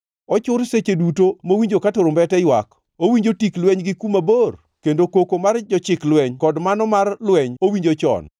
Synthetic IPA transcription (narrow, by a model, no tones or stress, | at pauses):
ɔt͡ʃʊɾset͡ʃedutomowiɲd͡ʒokatoɾʊmbɛtɛjwa̰k | owiɲd͡ʒotiklwɛɲɡɪkumabor | kendokokomard͡ʒɔt͡ʃɪklwɛɲkɔdmanɔmarlwɛɲowiɲd͡ʒot͡ʃɔ̰n